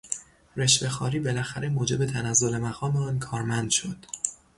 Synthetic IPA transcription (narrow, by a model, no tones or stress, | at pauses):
ɾeʃve̞xɒːɾiːbe̞læxæɾe̞moːd͡ʒe̞be̞t̪ʰænæzːo̞le̞mæɣɒːmeɒːnkʰɒːɾmænd̪̥ʃod̪̥